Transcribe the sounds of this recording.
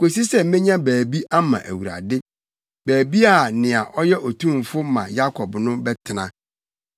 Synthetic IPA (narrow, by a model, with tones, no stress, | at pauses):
ko˨s̬i˦sɛ˦m̩˦mẽ˦ɲã˦bæː˨bi˦ʔa˦mã̰˨ʔæ˨wu˨ɾa̰˨dɪ˦ | bæː˨bi˦a˦˨nɪ̃˨a˨ʔɔ˦jɛ˦ʔɔ˨tʰũ˦˨m˨fʊ˦mã̰˨ja˦kʰɔ˨bnʊ̃˦bɛ˦tʰɪ˨nã˦